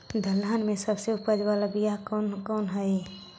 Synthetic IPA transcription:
d̪ʱəlːanmẽsəbseʊpəd͡ʒbalabijakɔnkɔːnɦəj

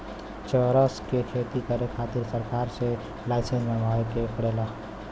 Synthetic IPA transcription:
t͡ʃəɾəskekʰet̪ikəɾekʰat̪iɾsəɾkaːɾse | laɪsẽnsmẽbʱɔekepəɽeːla

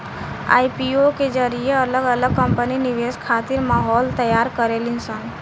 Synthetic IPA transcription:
a̰ːjpioked͡ʒəɾijeələɡələɡ̚kəmpəninɪʋeskʰaːt̪iɾmaɦɔlt̪əjaːɾkəɾelɪnsaːn

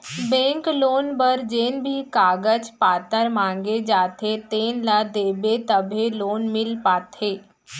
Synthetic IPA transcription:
bɛ̃ːŋkloːnbəɾd͡ʒeːnbʱikaːɡəd͡ʒpaːt̪əɾmãːŋɡed͡ʒaːt̪ʰet̪eːnlad̪eːbet̪əbʱeloːnmɪlpaːt̪ʰeː

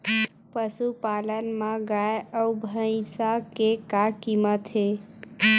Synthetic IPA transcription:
pəsupalənmãɡaeəubʱəj̃sakekakimət̪ɦe

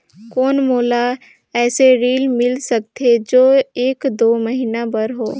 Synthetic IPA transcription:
koːnmoːla | ɛːseɾiːlmɪlsɐk̚t̪ʰed͡ʒoːeːkd̪oːməɦiːnabɐɾɦoː

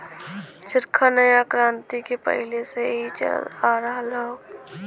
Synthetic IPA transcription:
t͡ʃɪɾkʰanəjakɾãːnt̪ikepə̰ɦɪleseɦit͡ʃə̰zaːɾəɦalao

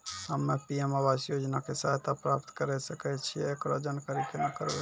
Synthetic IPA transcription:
həmːepiemabasjod͡ʒnakesaɦt̪apɾapt̪kəɾɛsəkɛt͡ʃʰiɛːkɾod͡ʒankəɾikenəkəɾbɛ

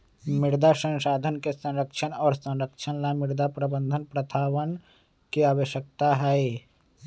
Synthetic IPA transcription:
mɪɾd̪ʱasə̃nsaːd̪ʱənkesə̃nɾəkʃʰənɔːɾsə̃nɾəkt͡ʃʰənlamɪɾd̪ʱapɾəbənd̪ʱənpɾət̪ʰaːʋən | kiaːbəʃjək̚t̪aɦɛj

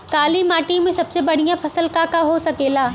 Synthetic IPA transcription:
kaːlimaːʈimẽsɐbsebɐɽ̤ijãfɐsəlkaːkaɦosɐɡeːlaː

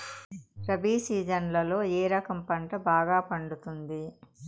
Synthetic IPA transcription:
pɾɐbiːsiːd͡ʒɐnlɐlo̞ːeːɾɐkɐmpɐɳʈɐbaːɡaːpɐɳɖut̪und̪i

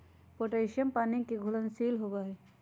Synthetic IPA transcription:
poʈeʃəmpanikeɡʱulənsilɦobaɦe

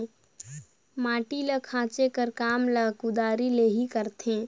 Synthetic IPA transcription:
mãːʈiləkʰãːt͡ʃekəɾkaːmləkud̪aːɾileːɦikəɾt̪ẽː

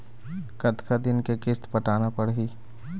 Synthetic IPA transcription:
kət̪kʰad̪ɪnkekɪst̪pəʈaːnapəɽɦiː

